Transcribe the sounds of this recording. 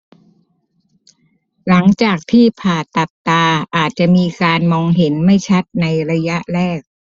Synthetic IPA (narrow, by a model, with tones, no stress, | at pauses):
la˩˦ŋt͡ɕaː˨˩k̚t̪ʰiː˥˩pʰaː˨˩t̪a˨˩t̚t̪aː˧ʔaː˨˩t̪̚t͡ɕa˨˩ʔmiː˧kaː˧nmɔː˧ŋɦe˩˦nma˥˩jt͡ɕʰa˦˥t̪̚na˧jɾa˧ja˦˥ʔɾɛː˥˩k̚